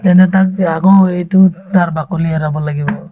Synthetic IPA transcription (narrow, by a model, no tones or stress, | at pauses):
tɛntɛtakaɡɔejtutaɾbakuliaɾabɔlaɡibɔ